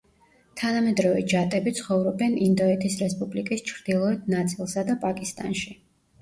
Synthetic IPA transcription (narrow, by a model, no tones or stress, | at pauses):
t̪ʰanamɛd̪ɾɔvɛd͡ʒat̪ʼɛbit̪sʰχɔvɾɔbɛnind̪ɔɛt̪ʰisɾɛspʼublikʼist͡ʃʰɾd̪̥ilˠɔɛd̪nat̪sʼilˠsad̪apʼakʼist̪ʼa̰nʃi